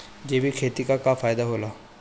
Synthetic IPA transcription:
d͡ʒeːbʱikʰeːt̪ikakafaːjd̪aɦoːlaː

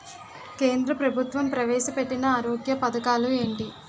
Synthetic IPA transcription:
ke̞ːnd̪ɾɐpɾɐbʱut̪ʋɐmpɾɐʋɛːʃɐpeʈːinɐaːɾoːɡjɐpɐd̪ɐkaːlue̞ːɳʈi

